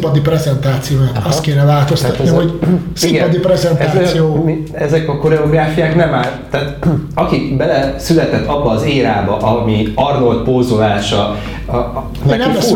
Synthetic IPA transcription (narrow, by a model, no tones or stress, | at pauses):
pɒd̪iprɛzɛnt̪aːt̪sijoːnaɒst̪̚keːnɛvaːt̪o̞st̪ɒt̪niɦo̞ɟsimɡpɒd̪iprɛzɛnt̪aːssijoː | ɛzɛkɒko̞ɾɛoɡraːfijaːknɛmaːlt̪aːt̪ɒkikbɛlɛsylɛt̪ɛt̪ːɒbːɒːzeːɾaːbɒʔɒmiɒrno̞lt̪̚polzulaːʃɒ | enɛmlɛs